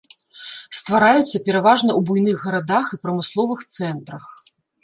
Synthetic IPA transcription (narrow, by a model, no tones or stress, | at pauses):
st̪vaɾajut̪sːɐpʲɛɾavaʐnɐwbujnɨɣːɐɾad̪axipɾɐmɨslˠɔvɨxt̪sɛnt̪ɾɐx